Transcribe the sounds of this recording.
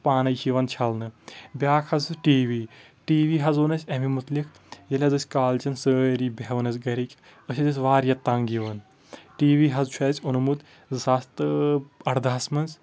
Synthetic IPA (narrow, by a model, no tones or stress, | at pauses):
paːnɐjt͡ʃiʋɐnt͡ʃʰɐlnɨbʲaːkʰhɐzɨʈiːʋiː | ʈiːʋiːɦɐzoːnɐsʲɐmimut̪likʰ | jɐlʲɐzɐsʲkaːlt͡ʃɐnsəːɾiːbʲeɦʋɐnɐsɡɐɾikʲ | ɐsʰʲɐt̪ʲɐsʲʋaːɾjɐt̪ːɐŋɡiʋɐn | ʈiːʋiːɦɐzt͡ʃʰɛːt͡sʲunɐmut̪ | zɐst̪ɨɐɽd̪asmɐnsʲ